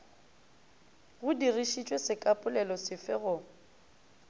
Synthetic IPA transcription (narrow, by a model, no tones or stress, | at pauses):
ɣʊdiriʃit͡ʃʼwesɪkʼapʼʊlɛlɔsɪfɪɣʊ